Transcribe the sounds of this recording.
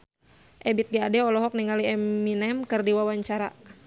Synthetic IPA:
ʔɛbit̪̚ɡaadɛɔlɔɦɔk̚niŋaliɛmːinɛmkɨrdiwawaɲt͡ʃaɾa

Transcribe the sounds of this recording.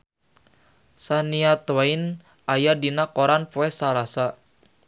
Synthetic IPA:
saniat̪wain | ʔajadinakoɾanpoɛsalasa

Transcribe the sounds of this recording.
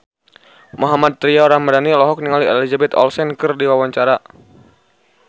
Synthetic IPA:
muɦamad̪̚t̪ɾiaɾamadanilɔɦɔk̚niŋaliɛlizabɛt̪ɔ̰lsɛnkɨrdiwawaɲt͡ʃaɾa

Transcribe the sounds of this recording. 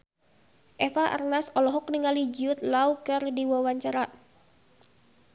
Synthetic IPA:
ʔɛfaʔa̰rnasɔlɔɦɔk̚niŋalid͡ʒʊt̪̚laukɨrdiwawaɲt͡ʃaɾa

